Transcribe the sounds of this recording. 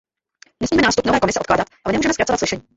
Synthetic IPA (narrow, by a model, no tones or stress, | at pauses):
nɛsmiːɛnaːst̪u̥pnovɛːkomɪsɛotklaːdat̪ʔalɛnɛmuʒɛmɛskɾatt͡sovat̪slɪʃɛɲiː